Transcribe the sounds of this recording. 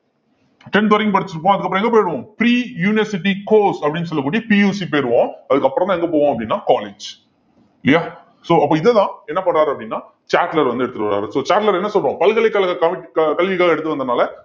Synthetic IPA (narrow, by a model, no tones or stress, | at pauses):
ʈɛnt̪ɔɾɪ̃ŋɡpɐɽɯt͡ʃːɯɾɯp̬ːõːɐðɯkːɐpːɾ̃ɔ̃ɛŋɡɐpoːjɪɽɯʋõːpɾiːjuːnɛsɪʈːikoːsɐpɐɽɪnːɯsɔlːɐkːuːɽijɐpijuːsip̬oːjɪɾɯʋõːɐðɯkːɐpːɾɐɔ̃t̪ãɛŋɡɐpoːʋõːɐpːɐɽɪnːaːkaːleːd͡ʒ | ɪlɪjaː | soːɐpːoːɪðɛt̪ãːɛnːɐpɐɳːɾaːɾɯɐpːɐɽɪnːaː | t͡ʃaːʈlɐɾʋɐnd̪ɯɛɽɯt̪ːɯɾɯkːɐɾa̰ːɾɯsoːt͡ʃaːʈlɐɾɛnːɐsɔlɾõpɐlɣɐlɛkːɐlɐɣɐkɐɪʈkɐlʋɪkːaːɣɐɛɽɯt̪ːɯʋɐnd̪ɐnaːlɐ